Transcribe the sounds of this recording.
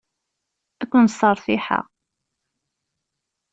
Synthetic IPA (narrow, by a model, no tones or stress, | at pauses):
ækʷːənsˤəɾˤθiħa̰ʁ